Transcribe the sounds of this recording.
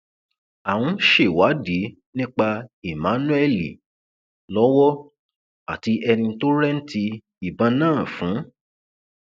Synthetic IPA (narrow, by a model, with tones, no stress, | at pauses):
a˨w̃ũ˨˧˦ʃe˦˨wa˨˦di˨˦ | nĩ˦k͡pa˧e˨mã˨˦nũ˦ɛ˦lḭ˨ | lɔ˨˦wɔ˦ | a˦˨ti˧ʔɛ˧nĩ˧n̩˦to˦ɾɛ˦n̩˦ti˧ | i˨bã˧nãː˦˨fũ˨˦